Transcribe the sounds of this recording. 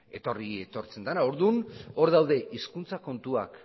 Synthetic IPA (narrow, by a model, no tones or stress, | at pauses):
e̞t̪o̞rie̞t̪o̞ɾt͡se̞nd̪anao̞ɾðuno̞ɾðawðe̞ʔiskunt͡sako̞nt̪uak